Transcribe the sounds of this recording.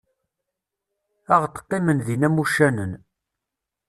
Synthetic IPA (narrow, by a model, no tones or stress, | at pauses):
æʁt̪ə̥qːimənðinæmuʃænən